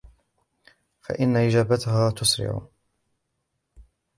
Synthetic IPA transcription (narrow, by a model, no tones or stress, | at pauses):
fa̰ʔɪnːaʔɪd͡ʒaːbat̪ʊhaːt̪ʊsɾɪ̰ʕ̰